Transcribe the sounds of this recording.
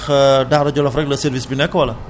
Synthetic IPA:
xdaɾɐɟɔlɐfɾɛɡ̚lɐseɾvisbinɛkːəwɐlɐ

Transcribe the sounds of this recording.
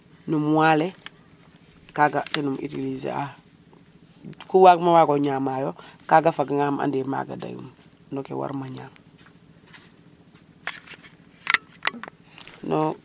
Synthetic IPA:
numwaːle | kaɡatenumʔḭtilizḛa | kuwakmawaɡoɲaːmajokaɡafaɡaŋama̰ndema̰ːɡa̰da̰jṵm | nokewa̰ɾmaɲaːm | no

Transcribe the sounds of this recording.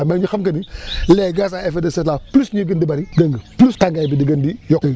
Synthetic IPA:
meɲuxɐmkɐnileɡas̬aefedəsɛtlaplusɲuɡəndibaɾidəŋɡəplustaŋɡabidiɡəndijɔk

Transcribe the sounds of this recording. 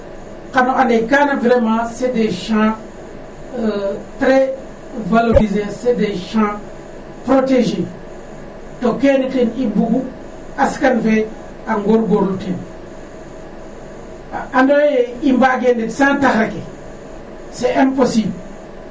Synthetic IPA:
kanoʔanekanavɾemãsedeʃã | tɾe | valoɾizesedeʃã | pɾoteʒe | tokenikinibuɡu | askanfe | aŋɡoɾɡoɾluten | andoeimbaɡenetsãtaxɾake | seɛ̃mposibl

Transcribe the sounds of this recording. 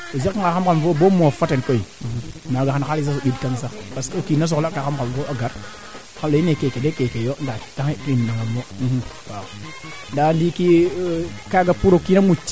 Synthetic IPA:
ozikkikaamkanvobomofatenkoinaɡaankalis̬asoɗudkaŋs̬akpaskokinas̬oklakaxamkanvoʔaɡaɾ | kanloinekekedekekejondataeimnaŋamːowa | ndandiki | kaɡapuɾokinamut͡ʃ

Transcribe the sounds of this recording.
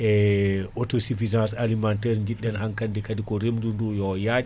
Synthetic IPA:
ɛʔotosifizãnsalimantɛɾɲd͡ʒiɗːɛnɦaŋkandikadikɔɾemdundujɔjaɗi

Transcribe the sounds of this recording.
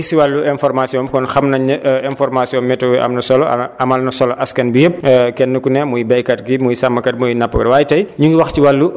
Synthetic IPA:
siwalːuɛnfɔrmasiɔmkɔnxɐmnɐɲɐʔɛnfɔrmasiɔmmɛtɔwiʔɐ̰mnɐsɔlɔ̰ɐmɐlnɐsɔlɔʔɐskɐnbijəp̚ːkɛnːəkunɛmujbɛjkɐt̚ɡimujsɐmːɐkɐt̚mujnɐpːukɐdwaːjtɐjɲuŋɡiwɐxciwalːu

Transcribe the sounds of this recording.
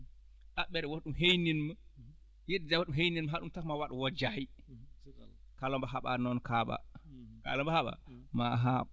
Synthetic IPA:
ɗaɓɛɾɛwoɗumɦejninmə | jedɛd͡ʒawaɗumɦejninmaɦaɗumtakmawaɗuwɔd͡ʒaji | kalɔmbaɦaɓa̰nɔnkaɓa̰ka̰lɔmbahaɓa̰maɦa

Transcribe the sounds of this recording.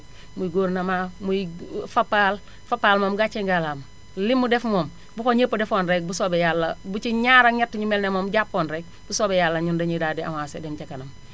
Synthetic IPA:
mujɡoːɾnamaːmujfapːal | fapːaːlmoːmɡat͡ʃeŋɡalaːmɐ | limːudɛfmoːm | bukoɲəpːɐdɛfoːnɾɛk̚busobɛjaːlːɐbut͡ʃiɲaːɾaɲatːiɲumɛlnemɔːmɟapːoːnɾɛk̚busobɛjaːlːɐɲundɐɲidaːdia̰masedɛmt͡ʃakɐnɐm

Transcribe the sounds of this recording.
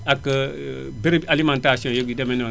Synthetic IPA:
akə | beɾibalimãntasiõjoɡidemenõ

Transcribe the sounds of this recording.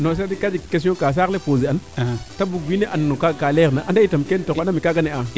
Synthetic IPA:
nos̬adikad͡ʒikes̬iõkas̬alepoziantabuɡwineʔannokakaleɾnaʔandaitamkentoanamikaɡanea

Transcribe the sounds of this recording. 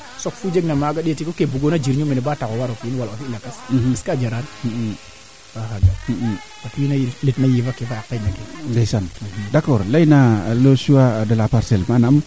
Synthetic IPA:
sokfud͡ʒeɡnamaɡaɗtikokebuɡonad͡ʒiɾɲominebatakowaɾokinwalofilakasiskad͡ʒaɾan | baxaɡa | bakwinajiletnajivakefaakːaɲakedesandakɔɾlajnalosuwadəlapaɾselmanam

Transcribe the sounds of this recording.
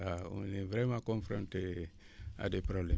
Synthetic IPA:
aṵ̃nevɾemãkɔ̃nfɾɔ̃nte | a̰depɾɔblɛ̃

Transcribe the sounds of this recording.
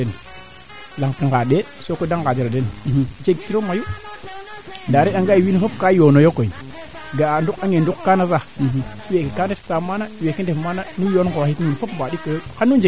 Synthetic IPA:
en | laŋkiŋɡaɗe | sokodaŋɡad͡ʒiɾadend͡ʒeɡ̚tiɾomaju | ndaɾiɗaŋɡaiwinfopkajonojokoi | ɡandukaŋendukkanas̬awekikandettamanawekindefmananujonɡoitinfopmbadikojokanud͡ʒe

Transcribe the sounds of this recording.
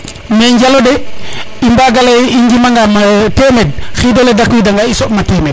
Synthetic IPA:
meɲd͡ʒalodeimbaɡaleiɲd͡ʒimaŋɡamatemed̚xidoledakuwidaŋɡaisoʔmatemed̚

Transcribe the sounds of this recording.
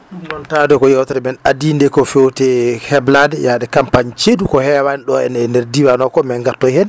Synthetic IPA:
iɡɔntadɛkɔjɔwtaɾɛmɛnadindɛkɔfewtɛhɛbladɛjaɗɛkampaɲt͡ʃedukɔhɛwaniɗɔɛ̰nɛndeɾdiwanɔkɔmɛŋɡatːɔhɛn

